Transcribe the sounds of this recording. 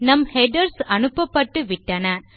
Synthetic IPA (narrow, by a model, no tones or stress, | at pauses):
nɐmhɛɖɐɾsɐnɯpːɐpːɐʈːɯʋɪʈːɐnɐ